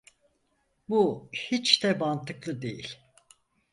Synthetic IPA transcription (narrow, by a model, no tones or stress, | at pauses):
buhit͡ʃd̪ɛbant̪ʰɯklˠɯd̪e̞jilʲ